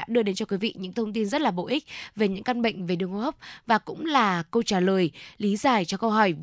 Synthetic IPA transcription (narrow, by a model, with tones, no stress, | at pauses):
a̰ː˧˥ɗɨ˧əɗe˨˦nt͡ɕɔ˧kwi˨˦vḭ˧˨ɲɨ̰˧˥ŋt̪ʰə˧wŋ͡mt̪i˧nzə˦˥t̚laː˨˩ɓo̰˧˨ʔi˦˥k̟̚ve˨˩ɲɨ̰˧˥ŋka˧nɓə̰˧˨ŋ̟ve˨˩ɗɨ˨˩əŋo˧˩hɔ˦˥p̚vaː˨˩kʊ̰˧˥ŋ͡mlaː˨˩kə˧wt͡ɕaː˧˩ləː˨˩jli˨˦zaː˨˩jt͡ɕɔ˧kə˧wɦɔ˧˩j